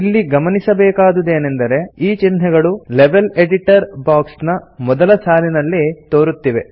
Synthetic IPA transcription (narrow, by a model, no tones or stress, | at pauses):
ilːiɡɐmɐnisɐbɛːkaːd̪ud̪e̞ːne̞nd̪ɐɾe̞iːt͡ʃinɦɛɡɐɭuleʋeleɖiʈɐɾbaːksnɐmɔd̪ɐlɐsaːlinɐlːit̪oːɾut̪ːiʋe̞